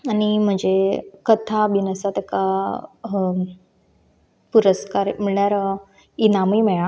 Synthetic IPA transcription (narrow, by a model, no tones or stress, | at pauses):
añim̤əd͡ʑekət̪ʰaʋinəsat̪eka | puɾəskaɾmiɭɳjaɾə | inamimɛɭa